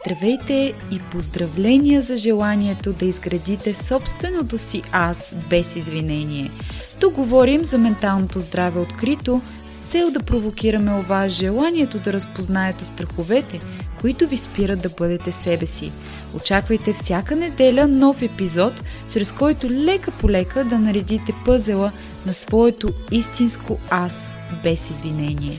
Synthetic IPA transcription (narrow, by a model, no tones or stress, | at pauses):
t̪ɾvɛjt̪ɛipozd̪ɾɐvlɛnʲijəzɐʒɛlˠaniɛt̪od̪ɐizɡɾɐd̪it̪ɛsɔpst̪vɛnot̪osiʔasbɛsizvinɛnʲiɛ | t̪uk̚ɡovɔɾimzɐmɛnt̪alˠnot̪ozd̪ɾavɛot̪kɾit̪o | st̪sɛlˠd̪ɐpɾovokʲiɾɐmɛovasʒɛlˠaniɛt̪od̪ɐɾɐspoznaɛt̪ɛst̪ɾɐxovɛt̪ɛ | koit̪ʊvispiɾət̪d̪ɐbɤd̪ɛt̪ɛsɛbɛsḭ | ot͡ʃakvəjt̪ɛfsʲjakənɛd̪ɛlʲənɔfɛpizɔt̪t͡ʃɾɛskɔjt̪ʊlɛkəpolɛkəd̪ɐnɐɾɛd̪it̪ɛpɤzɛlˠə | nɐsvɔɛt̪oist̪inskoas | bɛsizvinɛniɛ